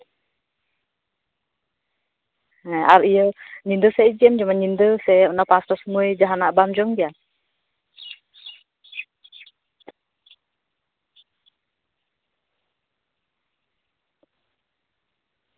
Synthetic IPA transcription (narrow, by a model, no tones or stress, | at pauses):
nɛa̰ɾijəɲindəsɛid͡ʒiɛmd͡ʒumanɲindəseunapast̪ɔsəmued͡ʒaɦanabamd͡ʒɔŋd͡ʒia